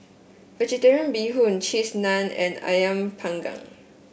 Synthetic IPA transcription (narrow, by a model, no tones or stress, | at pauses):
vɛd͡ʒɛtɛɹiə̃nbiɦũnt͡ʃʰisnãnɛ̰̃na̰jə̃mpʰãŋɡã̰ŋ